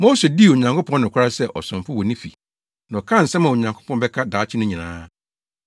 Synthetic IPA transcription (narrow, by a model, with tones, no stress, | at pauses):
moː˦se˨di˦˨wo˨ɲã˨ŋkʰʊ˦pʰɔ̃˦nʊ̃˨kʷʰa˦ɾa˦sɛ˦ʔɔ̰˨sʊ̃˨mfʊ˦wɔ˨nĩ˦fḭ˨ | nã˨ɔ˨kʰã˦˨n̩˨sɛ̃˦mã˨o˨ɲã˨ŋkʰʊ̥˦pʰɔ̃˦n˦bɛ˦kʰa˦daː˨˦t͡ɕʰɪ˦nʊ̃˦ɲĩ˨nã̰ː˦